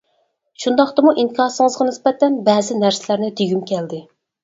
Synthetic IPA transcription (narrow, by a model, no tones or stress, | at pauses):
ʃund̪ɑχt̪ɨmuʔinkʰɑːsɨŋəzʁɑnɪsbɛt̪ːɛnbɛːzɪnæɾsɪlæɾnɪd̪eɡʲymkʲʰɛld̪ɪ